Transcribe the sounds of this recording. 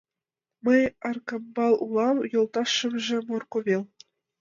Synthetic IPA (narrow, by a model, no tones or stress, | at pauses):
mɤ̆jɑrkɑmbɑlˠulˠɑmjŏlˠt̪ɑʂːɤ̆mʒɘ̆morkoβʲelʲˠ